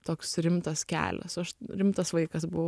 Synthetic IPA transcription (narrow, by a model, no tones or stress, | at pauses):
t̪oːksɾʲɪmt̪ɐskʲæ̰ːlʲɛ̰sɐʃɾʲɪmt̪ɐsʋɐɪkɐsbʊʋ